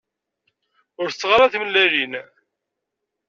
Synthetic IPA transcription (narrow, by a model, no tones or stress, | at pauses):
ʊɾθət͡sːʁaɾˤaθməlːælin